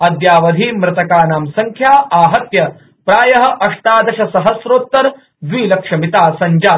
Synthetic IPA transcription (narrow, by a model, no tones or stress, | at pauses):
ɐd̪jaːʋɐd̪ʱiːmɾɐt̪ɐkaːnaːmsɐŋkʰjaːaːɦɐt̪jɐ | pɾaːjɐɦɐ̆ʔɐʂʈ̪aːd̪ɐɕɐsɐɦɐsɾoːt̪ːɐɾ | ʋʋiːlɐkʂɐmit̪aːsɐɲd͡ʒaː